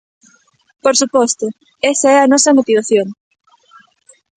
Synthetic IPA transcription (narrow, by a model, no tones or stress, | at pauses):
poɾsupɔst̪ʊ | ɛsɐɛɐnɔsɐmot̪iβ̞aθjoŋ